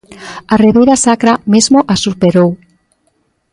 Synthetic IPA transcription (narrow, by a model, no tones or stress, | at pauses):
areβejɾasakɾamezmoʔasupeɾow